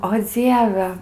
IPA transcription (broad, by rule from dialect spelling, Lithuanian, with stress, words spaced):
oː ˈd͡zʲiɛʋʲɛ